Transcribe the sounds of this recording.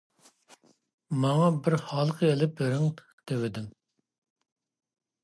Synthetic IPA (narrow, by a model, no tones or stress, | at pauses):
mɑŋɑbɪɾhɑlˠəqʰəelɪp̚eɾɪŋʰ | t̪ʰewɪd̪ɪm